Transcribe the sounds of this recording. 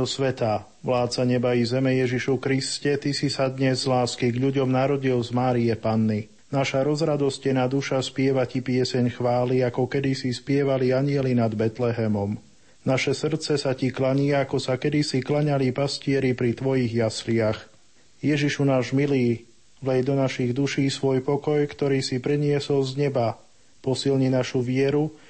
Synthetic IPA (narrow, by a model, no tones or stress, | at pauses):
ɔsʋɛt̪a | ʋlaːt̪saɲɛbaʋizɛmɛjɛʒiʃukɾiscɛt̪isisad̪ɲɛzːlaːskiɡʎuɟɔmnaɾɔɟilzmaːɾijɛpanːi | naʃaɾɔzɾad̪ɔscɛnad̪uʃaspɪɛʋacipɪɛsɛɲxʋaːliakɔkɛd̪isispɪɛʋaliaɲɪɛlinad̪bɛt̪lɛɦɛmɔm | naʃɛsr̩t̪t͡sɛsaciklaɲiaakɔsakɛd̪isiklaɲalipascɪɛɾipɾit̪ʋɔjiɣjaslɪax | jɛʒiʃunaːʒmiliː | ʋlɛjd̪ɔnaʃiɣd̪uʃiːsʋɔjpɔkɔjkt̪ɔɾiːsipɾiɲɪɛsɔlzɲɛba | pɔsilɲinaʃuʋɪɛɾu